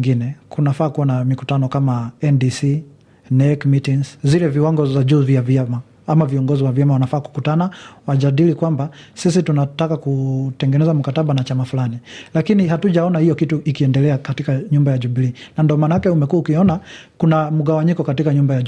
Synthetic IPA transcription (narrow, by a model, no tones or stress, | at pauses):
ŋɡinɛkunafaːkuwanamikutanɔkamaɛndisi | nɛkmitiŋszilɛviwaŋɡɔzaʄuːviavjama | amaviɔŋɡɔziwavjamawanafaːku̥kutanawaʄaɗilikwambasis̬itunatakakutɛŋɡɛnɛzam̩kataɓanat͡ʃamafulanilakiniɦatuʄaɔnahijɔkituʔikiɛndɛlɛakatikaɲumbajaʄubliːnandɔmanajakɛumɛkuwaukiɔnakunam̩ɠawaɲikɔkatikaɲumbaja